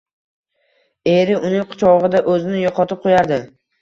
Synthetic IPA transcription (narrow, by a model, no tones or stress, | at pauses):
e̞ɾɪʔʊnɪŋqʰʊ̥t͡ʃʰɒʁɨd̪aʔɵzɪnɪjɒqɒt̪ʰɪp̚qʰojaɾd̪ɪ